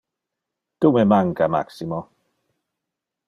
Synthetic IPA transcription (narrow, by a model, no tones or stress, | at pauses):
d̥umɛmaŋkama̰ksimɔ